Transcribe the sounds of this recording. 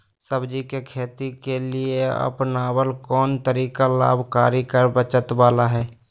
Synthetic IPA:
səbd͡ʒikekʰeːt̪ikelieə̰pnaːwəlkɔːnt̪əɾiːkala̰ːbʱkaːɾikəɾbət͡ʃət̪waːlaɦɛː

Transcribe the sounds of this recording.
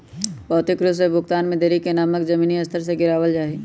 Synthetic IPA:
bɔːʊt̪ɪkɾus̬ebʱʊkt̪aːnmẽd̪eːɾikenaːməkd͡ʒɐmiːniɐst̪ʰəɾs̬eɡɪɾaːwəld͡ʒaːɦi

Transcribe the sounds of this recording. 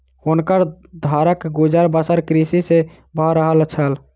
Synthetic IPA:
hunkəɾ | d̪ʱaɾəkɡud͡ʒəɾbəsəɾkɾisise | bʱəɾəɦəlt͡ʃʰəl

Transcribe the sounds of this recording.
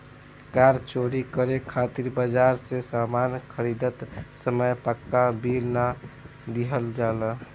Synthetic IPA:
kaɾt͡ʃoɾikəɾekʰat̪iɾbəd͡ʒaɾsesamankʰəɾid̪ət̪səməjpəkːabilna | d̪iɦəld͡ʒalə

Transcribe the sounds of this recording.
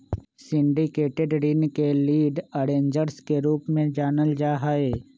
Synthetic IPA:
sɪ̃ɳɖikeːʈeɖɾɪnkeliːɖəɾẽːɲd͡ʒəɾskeɾuːpmẽd͡ʒaːnəld͡ʒaːɦaeː

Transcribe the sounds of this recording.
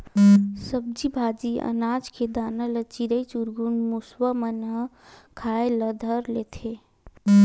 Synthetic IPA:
səb̚d͡ʒibʱaːd͡ʒiə̰naːd͡ʒked̪aːnələt͡ʃiɾəit͡ʃuɾɡunmuswəmənɦə | kʰaːeləd̪ʱəɾleːt̪ʰe

